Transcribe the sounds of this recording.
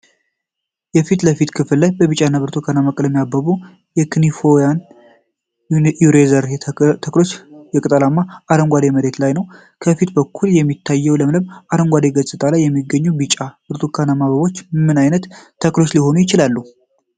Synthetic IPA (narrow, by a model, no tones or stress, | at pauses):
jɛfit̪ləfit̪kʰɨfɨllajbəβɨt͡ʃʼanːaβɨɾt̪ʰokʰanamakʼɨləmːijabːəβu | jɛkʰɨnifojan | juɾezəɾt̪ʰəklo̞t͡ʃːjɛkʼɨt̪ʼəlamːaʔaɾəŋɡʷad̪eməɾe̞t̪lajnəw | kʰəfit̪bəkʰːuljɛmːit̪ʰːajːɛwləmlɨmaɾəŋɡʷad̪eɡəsʼɨt̪ʼalajːɛmːiɡːəɲːubɨt͡ʃʼab̥ɨɾt̪ʰukʰanamaβəβo̞t͡ʃːmɨnajnət̪ːʰ | əklo̞t͡ʃːliho̞nujɪt͡ʃɪlalːu